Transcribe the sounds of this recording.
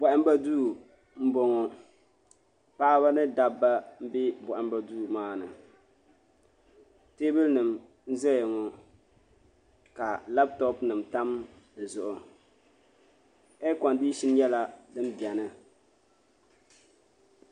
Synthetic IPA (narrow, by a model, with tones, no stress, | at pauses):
bɔ˨ʔɪ˦m˦ba˦duː˦˨ | m̩˦bɔ˨ŋɔ˨ | paː˦βa˦nɨ˦da˦bːa˦m̩˦bɪ˦bɔ˨ʔɪ˦m˦ba˦duː˦˨maː˦nɨ̰˨ | te˦bɛ˦lnɨ˨m | n̩˦zɛ˦jŋɔ˨ | ka˨la˦p̚tɔ˦pnɨ˨mta˦m | d̩˨zʊ˨ʔʊ˨ | ɛ˦kɔ˨ndiː˦ʃi˦n˦jɛ˦la˦dɨ˦m˦bɛ˨nɨ˦